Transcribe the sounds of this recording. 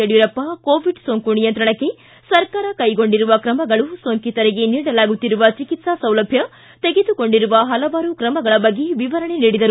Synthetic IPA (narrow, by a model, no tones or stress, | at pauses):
eɽjuɾɐpːɐkoːʋiɖsoːŋkunijɐnt̪ɾɐɳɐkːe̞ | sɐɾkaːɾɐkɐjɡo̞ɳɖiɾuʋɐkɾɐmɐɡɐɭusoːŋkit̪ɐɾeɡeniːɽɐlaːɡut̪ːiɾuʋɐt͡ʃikit̪sɐsɐwlɐbʱjɐ | t̪eɡed̪uko̞ɳɖiɾuʋɐɦɐlɐʋaːɾukɾɐmɐɡɐɭɐbɐɡːe̞ʋiʋɐɾɐɳe̞niːɽid̪ɐɾu